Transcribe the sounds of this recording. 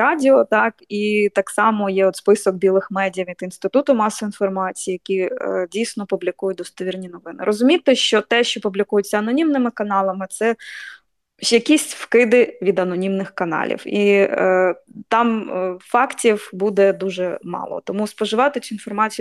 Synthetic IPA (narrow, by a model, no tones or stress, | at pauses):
ɑdʲɪɔt̪ɑkit̪ɑksɑmɔjɛɔt̪spɪsɔk̚bʲilˠɪxmɛdʲijɐʋʲid̪inst̪ɪt̪ut̪ʊmɑsɔinfɔrmɑt͡sʲijijɐkʲidʲijsʲnɔpublʲikujʊt̚ʲd̪ɔst̪ɔʋʲirnʲinɔʋɪnɪ̰ɾʔɔzʊmʲit̪ɪʃt͡ʃɔt̪ɛʃt͡ʃɔpublʲikujʊt͡sʲːɐɐnɔnʲimnɪmɪkɐnɑlˠɐmɪt̪sɛ | jɐkʲisʲtʲfkɪd̪ɪʋʲid̪ɐnɔnʲimnɪxkɐnɑ̰lʲḭwi | t̪ɑmfɑktʲiwbud̪ɛd̪uʒɛmɑ̰lˠɔ̰t̪ɔmuspɔʒɪʋɑt̪ɪt͡sʲʊinfɔrmɑt͡sʲij